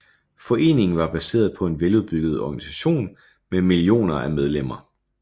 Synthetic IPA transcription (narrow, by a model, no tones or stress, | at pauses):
fɒ̽ʔe̝̰ːne̝ŋn̩ʋɑ̈b̥æse̝̰ːɐð̞ˠpʰɒ̽e̝nʋeluðˠb̥yɡ̥ð̞ˠɒɡ̥ænisæɕo̝̰ːn | memilio̝̰ːnɐʔæmeð̞ˠlem̰ɐ